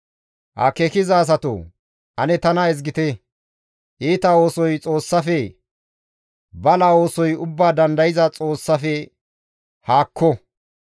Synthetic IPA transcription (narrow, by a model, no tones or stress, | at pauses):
hɐ̰kɛkɪzaːs̬ɐt̪o̰ː | ʔɐnɛt̪ɐnɐɛzɡɪt̪e | ʔiːt̪ɐo̞ːsɔjt͡sʼo̞ːsːɐfɛ | bɐlɐo̞ːsɔjʊbːaːd̪ɐnd̪ɐjɪzɐt͡sʼo̞ːsːɐfɛ | haːkʰːɔ